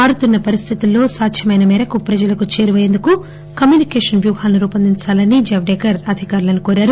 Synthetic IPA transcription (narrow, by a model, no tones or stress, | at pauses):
aːɽut̪unːɐpɐɾist̪ʰit̪ulːo̞ːsaːkʃɐmɐjnɐmɛːɾɐkupɾɐd͡ʒɐlɐkut͡ʃe̞ːɾiʋɐjend̪uku | kɐmjuːnikeːʂɐnʋjuːɦaːlnuɾuːpɐnd̪int͡ʃaːlɐnid͡ʒɐʋɖeːkɐɾɐd̪ʱikaːɾulɐnukoːɾaːɾu